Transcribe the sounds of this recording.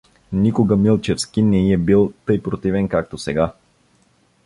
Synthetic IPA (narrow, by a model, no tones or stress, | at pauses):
nikoɡəmilˠt͡ʃɛfskinɛiɛbilˠt̪ɤjpɾot̪ivɛnkak̚t̪osɛɡa